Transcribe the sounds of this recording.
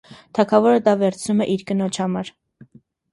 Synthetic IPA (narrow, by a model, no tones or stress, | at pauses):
t̪ʰɑkʰɑvɔɾəd̪ɑvɛɾt͡sʰnumɛʔiɾkənɔt͡ʃʰhɑmɑɾ